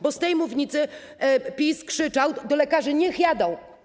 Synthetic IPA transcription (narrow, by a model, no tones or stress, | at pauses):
bɔst̪ɛjmuvɲit̪sɘ | pʲiskʂɘt͡ʂawd̪ɔlɛkaʐɘɲɛxjad̪ɔ̃w̃